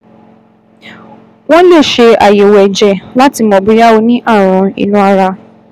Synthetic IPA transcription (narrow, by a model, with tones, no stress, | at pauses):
w̃ɔ̃˦le˦˨ʃe˧a˨je˨wɛ˨d͡ʒɛ˨la˦ti˧mɔ̃˨bi˨˧ɾa˦o˧nĩ˦ʔa˦˨ɾ̃ɔ̃˨˧ḭ˨nũ˨˦a˧ɾa˧